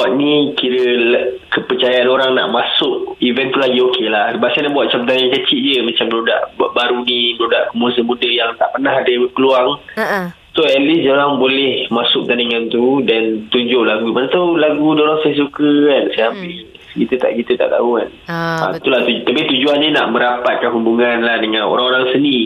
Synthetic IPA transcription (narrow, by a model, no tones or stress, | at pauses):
baʔnikiɾə | kəpərt͡ʃajaanoɾaŋna̰ʔmasʊʔivɛnt̪ulaɡiokʰelahsəbaʔ̚sajnabuaʔ̪̚t͡ʃampət̪̬anaŋkət͡ʃiʔd͡ʒəmat͡ʃambəɾuda̰ʔbaɾuniməɾuda̰ʔkəmusəmudəjaŋt̪aʔpənaɦadəbəpəluaŋ | soɛt̪lisd͡ʒoɾaŋbolɛhmasʊk̚t̪anəŋant̪udant̪uɲd͡ʒʊʔlaɡuipanat̪awlaɡudioɾaŋsajs̬ukəansajambɪl | kit̪ət̪a̰ʔkit̪ət̪a̰ʔt̪a̰ukana̰t̪ulaht̪ut̪apit̪ud͡ʒuannina̰ʔməɾapat̪̚kanɦubuŋanlahdəŋano̰ɾaŋoɾaŋsəni